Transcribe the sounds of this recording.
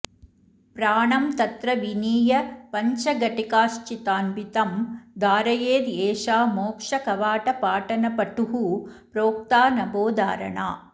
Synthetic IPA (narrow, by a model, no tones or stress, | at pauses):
pɾaːɳɐmt̪ɐt̪ɾɐʋiniːjɐpɐɲt͡ʃɐɡɐʈikaːʃt͡ʃit̪aːnbit̪ɐmd̪aːɾɐjeːd̪eːʂaːmoːkʂɐkɐʋaːʈɐpaːʈɐnɐpɐʈːuɦupɾoːk̚t̪aːnɐboːd̪a̰ːɾɐ̰ɳa̰ː